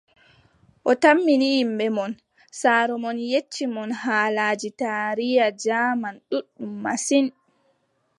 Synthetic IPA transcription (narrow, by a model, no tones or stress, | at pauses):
ʔɔtamːinijimɓɛmɔn | saːɾɔmɔnjet͡ʃːimɔnhaːlaːd͡ʒitaɾijad͡ʒaːmanɗuɗːumːasin